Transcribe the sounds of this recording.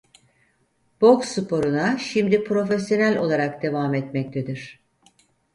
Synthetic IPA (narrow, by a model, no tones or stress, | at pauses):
b̥oksɯpʰo̞ɾunaʃimd̪ipɾo̞fesjo̞nælʲo̞lˠaɾakd̪e̞vaːmɛt̪mɛc̚t̪ʰed̪iɾ̥